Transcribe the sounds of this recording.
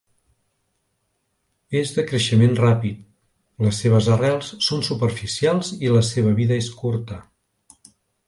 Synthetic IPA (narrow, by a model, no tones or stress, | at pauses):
ezðəkɾəʃəmenrapit̪̚ | ləsːeβ̞əzərɛlˠssonsupərfisialˠziləseβ̞əβiðəeskuɾt̪ə